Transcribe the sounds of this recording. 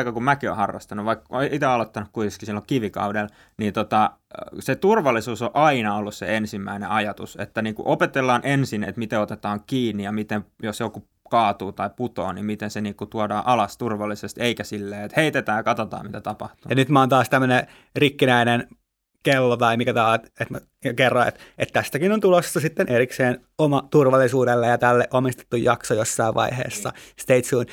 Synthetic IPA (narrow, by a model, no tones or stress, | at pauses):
ikɑkumækio̰hɑrːɑ̰st̪ɑnuʋʋɑikːoiʔit̪eɑlot̪ːɑnukkuit̪eskisilːokiʋikɑ̰uel | niːnt̪ot̪ɑ | set̪urʋɑlːˑisuːsoʔɑinɑolːussḛensimːæineɑjɑt̪ṵsḛt̪ːæniːŋkṵʔopet̪elːɑːnʔensinḛt̪mit̪eot̪et̪ɑːŋkiːnːijɑmit̪emjosjoku | kɑːt̪uːt̪ɑiput̪o̰ːnḭmit̪enseniːkut̪uɑdɑːʔɑlɑst̪urʋɑlːisest̪eikæsilːeːet̪heit̪et̪æːjɑkɑt̪ot̪ɑ̰ːmit̪æt̪ɑpɑ̰ht̪ujɑnyt̪mæont̪ɑːst̪æmːøne | rikːinæinen | kelːot̪ɑimikæt̪ɑːt̪et̪m | jkerːɑḛt̪et̪t̪æst̪ækinont̪ulosːɑsit̪ːenʔerikseːn | omɑt̪urʋɑlːisuːdelːejɑt̪ælːeʔomist̪e̥t̪ːujjɑksojosːɑiʋʋɑ̰ihḛːsːɑst̪eit̪suːn